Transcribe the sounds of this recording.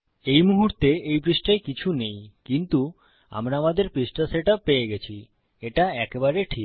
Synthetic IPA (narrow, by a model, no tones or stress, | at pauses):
ejmuɦuɾt̪eejpɾisʈajkit͡ɕʰunejkint̪u | a̰mɾaamad̪eɾpɾisʈaseʈapːejeɡet͡ɕʰi | eʈaɛkebaɾeʈʰik